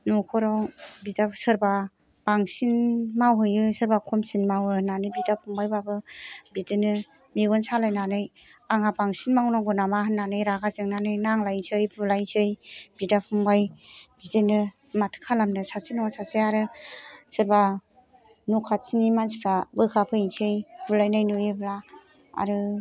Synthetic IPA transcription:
nukʰɔɾɔwbidasɯɾba | b̥aŋsinmawɦɯjɯsɯɾbakʰɔmsinmawɯnanɯbidapʰuŋbajbabɯbidɯnɯ | meɡɔnsalajnanɯj | aŋabaŋsinmawnaŋɡɔnamahɯnːanɯjɾaɡazɯŋnanɯjnaŋlajnsʰɯjbulajnsʰɯjb̥idapʰuŋbajbidɯnɯ | matʰɯ̥kʰalamnɯsasinɔasasiaɾɯsɯɾba | nukʰat͡ʃʰinimansʰipʰɾabɯkʰapʰɯiŋsʰɯjb̥ulajnajnujebla | a̰ɾɯ

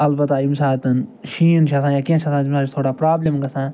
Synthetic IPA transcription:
ɐlbɐt̪ːaːimsaːt̪ɐnʃiːnt͡ʃʰasãːjaːkiẽnt͡ʃʰasãːt̪imaːd͡ʒt̪ʰoːɽaːpɾaːblemɡɐsãː

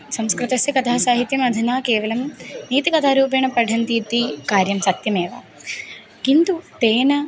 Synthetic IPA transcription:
sɐmskɾɨt̪ɐsjɐkɐt̪ʰaːsaːɦit̪jɐmɐd̪ʱinaːkeːʋɐlɐmniːt̪ikɐt̪ʰaːɾuːp̬eɳɐpɐɖʱɐnt̪iːt̪ikaːɾjɐmsɐt̪jɐmeːʋɐ̰ | kind̪ut̪eːnɐ

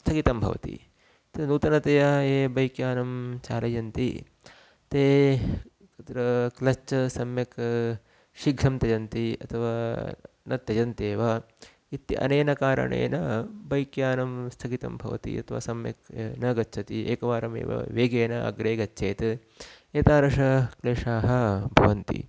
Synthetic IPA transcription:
st̪ʰɐɡit̪ɐmbʱɐ̰ʋɐ̰t̪ḭ | t̪ɐnuːt̪ɐnɐt̪ɐjɐeːbɐjkjaːnɐmt͡ʃaːlɐjɐnt̪ḭ | t̪eː | ɐt̪ɾɐklɐt͡ʃɐsɐmjɐk | ʃiɡʱɾɐmt̪ɐd͡ʒɐnt̪iɐ̰t̪ʰɐʋaː | nɐt̪ːjɐd͡ʒɐnt̪eːʋɐ | it̪ːḭʔɐ̰neːnɐkaːɾɐ̰ɳḛːnɐbɐjkjaːnɐmst̪ʰɐɡit̪ɐ̰mbʱɐ̰ʋɐ̰t̪ḭɐ̰t̪ʰɐʋa̰ːsɐmjɐ̰knɐɡɐtːt͡ʃʰɐt̪iʔeːkɐʋaːɾɐmḛːʋɐ̰ʋeːɡeːnɐʔɐ̰ɡɾeːɡɐt͡ʃːʃʰeːt̪ɐ | et̪aːɾɐʂɐkleːʂaːɦɐ̆bʱɐʋɐnt̪ḭ

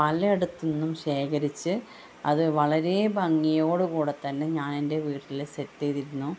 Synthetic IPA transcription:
ɐlɐeɽut̪ːunːumɕe̞ːkɐɾit͡ɕːɨ | ɐ̰ðɨʋɐɭɐɾe̞bɐŋːijo̞ːɽɨkuːɽe̞t̪ːɐnːe̞ɲaːnende̞ʋiːrilset̪ːeːðiɾunːu

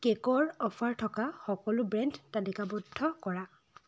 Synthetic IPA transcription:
kɛkɔɹɔpʰaɹtʰɔkaxɔkɔlʊbɹɛndtalikabɔdʱːɔkɔɹa

